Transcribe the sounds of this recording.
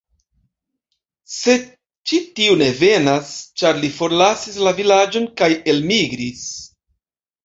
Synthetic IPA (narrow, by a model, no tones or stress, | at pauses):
se̞ | t͡ʃitiune̞ve̞nast͡ʃaɾlifo̞ɾlasislavilad͡ʒo̞nkaje̞lmiɡɾis